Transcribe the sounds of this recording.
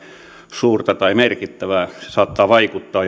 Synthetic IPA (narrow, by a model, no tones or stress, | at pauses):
suːrt̪ɑt̪ɑimerkit̪ːæʋæesɑːt̪ːɑːʋɑikut̪ːɑː